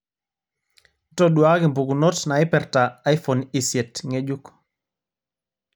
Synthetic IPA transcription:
tɔɗwa˦kɪ˨mbu˨ɡu˨nɔ˦tna˨ɪ˦pɛ˨ɾtaː˨˦jfɔ˨ni˨sjɛ˨tŋe˦d͡ʒu˦k

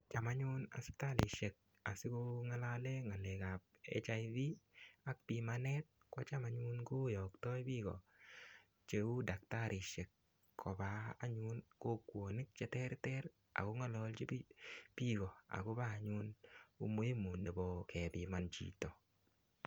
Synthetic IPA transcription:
t͡ʃa˨ma˦ɲu˦na̰˨sɪ̥˦kta˦lʔɪ˨ʃe˨k̚ | a˨sɪ˦kʊ˦ŋa˦la˦le˦ŋa˨le˨ka˨p̚ | ḛ˦t͡ʃa˦i˦ði˦a˦k̚pi˨manɛ˦t̚kɔ˦t͡ʃa˦ma˦ɲu˦nkʊ˦jɔ˨ktɔ˦i˦bi˦ɡɔ̰˨ | t͡ʃe˨˦u˦da˨k̚ta˦ɾɪ˨ʃe˨kːʰ | ɔ˨baː˨˦ɲu˦nko˦kwo˨ni˦k̚t͡ʃɛ˦tɛ˦ɾtɛ˦ɾ | a̰˨ɡʊ˦ŋa˦lɔ˧lt͡ʃi˦pipi˦ɡɔ˨a̰˨ɡʊ˦ba˦˨ɲu˦nṵ˦mo˦je˦mu˨nde˨bɔ˨kɛ˨pi˨ma˨nt͡ʃḭ˦tɔ˨

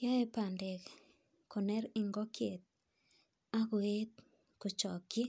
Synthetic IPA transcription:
ja˦e˦pa˨nde˨k | ko˨nɛ˦ɾɪ˨ŋɡɔ˦kʰe˨t̪̚ | a˦ɡwe˦t̪̚ | ko˨t͡ʃɔ˨ki˦

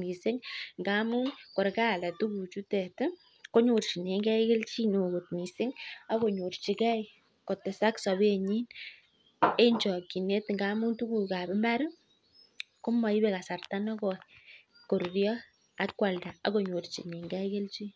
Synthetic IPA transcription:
mi˨sɪ˦ŋŋɡa˦mu˦nkɔ˨ɾka˦˨la˨tu˦ku˨t͡ʃu˦tɛ˨t | ko˦ɲo˨rt͡ʃi˨ne˨ŋɡɛ˦ke˦lt͡ʃi˦no˨ko˨t̚mi˨sɪ˦ŋa˦ko˨ɲo˨rt͡ʃi˨kɛ˦j | ko˨tɛ˨sa˦ksɔ˨be˦ɲi˦n | e˦ɲd͡ʒɔ˨ki˨ne˦tŋɡa˦mu˦ntu˦ku˨ka˨bɪ˦mba˦ɾu˦ | ko˦ma˨i˦bɛ˦ka˨sa˨rta˦nɔ˦kɔ˨ | ko˨ɾɾjɔ˦ | a˦kːwa˨lda˨a˨ko˨ɲo˨rt͡ʃi˨ne˨ŋɡɛ˦ke˦lt͡ʃi˦

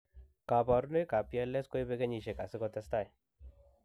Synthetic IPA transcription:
ka˨ba˨ɾu˦no˦jka˨pi˦a˦lːɛ˦sko˦jbe˦ɡe˦ɲi˨ʃe˨ka˨sɪ˦kɔ˦t̪ɛ˦st̪a˦j

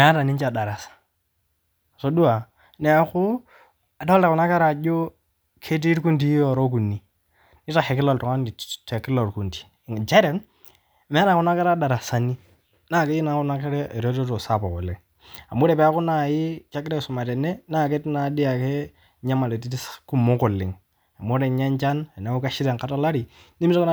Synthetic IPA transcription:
mɛ˨a˦ta˨ni˦ɲt͡ʃa˨da˨ɾa˨sḁ˨ | so˦du˦a˨ | ne˨˦a˦kʊ˦ | a˨da˦lta˨ku˨na˦ka˦ɾa˨d͡ʒo˦ | kʰe˦t̬i˦ɾku˦nt̬i˦ɔ˨ɾo˦k̬u˨nːi˨ | ni˦ta˨xe˨kɪ˦lo˨ltɔ˨ŋa˦n˨te˨kɪ˦lo˨ɾku˨nti̥˨d͡ʒɛ˦ɾɛ˨˦n˨ | mɛ˨˦na˨kʊ˦na˦ka˦ɾa˦da˨ɾa˨sa˨ni˦ | naː˦˨ke˦i˦na˨˦kʊ˦na˦kɛ˦ɾɛ˦˨ɾo˦to˦to˨sa˦˨pɔ˨kɔ˨lɪ˦ŋ | a˨mo˦ɾɛ˨pɛ˨a˦kʊ˦na˦˨jɪ˦ka˦kɪ˦ɾɛ˦sʊ˨ma˨tɛ˨nɛ˦naː˦ke˦tna˨di˦a˨ke˦ | ɲa˦ma˨le˨ti˦tsku˦mo˦kɔ˨lɪ˨ŋ | a˨mo˦ɾe˨ɲa˦ɲt͡ʃa˦na˨na˨˦o˦ka˦ʃɪ˦tɛ˨ŋka˦ta˦la˦ɾi˨ | ni˦mi˦ta˦kn˦

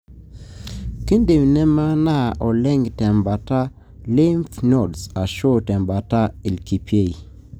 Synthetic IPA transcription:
ki˦nde˨mnɛ˦ma˦na˦˨ʔɔ˨lɛ˦ŋtɛ˨mba˨ta˦ | lɪ˦mfnɔ˨dsa˨ʃo˦tɛ˨mba˨ta˦i˨lki˨pje˦˨i˨

